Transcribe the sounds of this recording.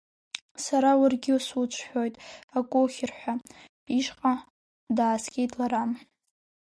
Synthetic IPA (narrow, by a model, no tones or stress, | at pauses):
saɾawʊrɡʲɪsut͡ʃʷʰħʷᶣo̞jtʼakʼoχʲɪrħʷᶣapʼiʃqʼa | daːskʲʼejtʼlaɾam